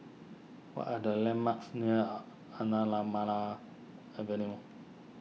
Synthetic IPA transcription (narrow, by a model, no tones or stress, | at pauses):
wa̰ʔadalɛmaksnĩa | anãlamãla | abɛnĩmʊ̃